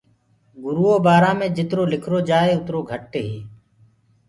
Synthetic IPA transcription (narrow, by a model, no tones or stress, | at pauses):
ɡʊɾuːoːbaːɾãːmẽːd͡ʒɪt̪ɾoːlɪkʰɾoːd͡ʒaːeːʊt̪ɾoːɡʱəʈːeːɦiː